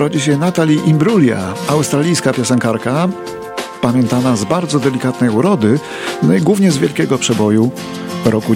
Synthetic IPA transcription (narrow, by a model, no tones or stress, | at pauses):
ɾɔd͡ʑiɕɛnat̪alʲiʔimbɾulʲja̰awst̪ɾalʲijskapʲjasɛŋkaɾka | pamʲjɛnt̪anazbaɾd̪zɔd̪ɛlʲikat̪nɛjuɾɔd̪ɘ | nɔjiɡwuvɲɛzvʲjɛlkʲɛɡɔpʂɛbɔju | ɾɔku